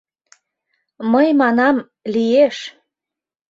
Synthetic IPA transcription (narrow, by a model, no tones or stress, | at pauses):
məjmɑnɑm | lieʃ